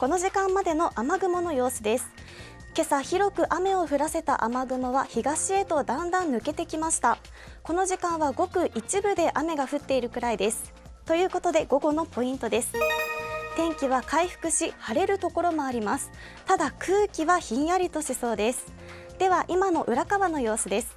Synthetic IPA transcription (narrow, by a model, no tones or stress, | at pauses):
ko̞no̞ʑikãmːad̪e̞no̞ʔamaɡɯ̟mo̞no̞jo̞ːsɨd̪e̞sɨ̥ | ke̞saçiɾo̞kɯ̟ʔame̞o̞ɸɯ̟ɾase̞t̪a̰ʔamaɡɯ̟mo̞βaçiɡaɕie̞t̪o̞d̪ãnd̪ãnːɯ̟ke̞t̪e̞kʲimaɕi̥t̪a | ko̞no̞ʑikãɰ̃βaɡo̞kɯ̟ʔit͡ɕibɯ̟d̪e̞ʔame̞ɡaɸɯ̟t̪ːe̞iɾɯ̟kɯ̟ɾaid̪e̞sɨ̥ | t̪o̞jɯ̟ːko̞t̪o̞d̪e̞ɡo̞ɡo̞no̞po̞ĩnt̪o̞d̪e̞sɨ̥ | t̪ẽ̞ŋkʲiβ̞akaiɸɯ̟̥kɯ̟ɕihaɾe̞ɾɯ̟t̪o̞ko̞ɾo̞mo̞aɾʲimasɨ̥ | t̪ad̪akɯ̟ːkʲiβaçĩjaɾʲit̪o̞ɕiso̞ːd̪e̞sɨ̥ | d̪̥e̞β̞aʔimano̞ʔɯ̟ɾakaβano̞jo̞ːsɨd̪e̞sɨ̥